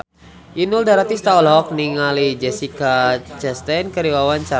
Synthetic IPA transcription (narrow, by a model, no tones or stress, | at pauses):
ʔinuldaɾat̪ist̪aɔlɦɔk̚niŋalid͡ʒɛsikat͡ʃɛst̪ɛnkəɾiwawant͡ʃa